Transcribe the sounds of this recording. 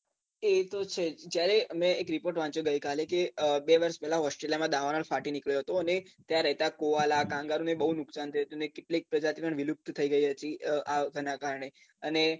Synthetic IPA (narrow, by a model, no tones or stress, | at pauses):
et̪ot͡ʃʰed͡ʒjaɾeəmɛ̃ekɾipoɾʈʋãt͡ʃoɡəjkalekeəbeʋəɾʃpɛɦlaɦɔsʈeljamãd̪aʋanəlfaʈinikɭjoɦət̪oənet̪jãɾəɦet̪akoʋalakãŋɡaɾũnebəɦunʊksant̪ʰəjiɦət̪uənekeʈlek̚pɾəd͡ʒat̪ʰipəɳʋilup̚t̪t̪ʰəiɡəiɦət̪iəʔaɡʱənakaɾəɳe | əne